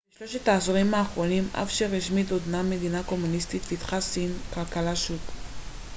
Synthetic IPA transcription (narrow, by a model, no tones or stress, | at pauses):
beʃlo̞ʃetaːsoʁimaːχʁo̞nimʔa̰fʃeʁiʃmit̪od̪name̞d̪inako̞munist̪it̪pit̪χasinkalkalaʃut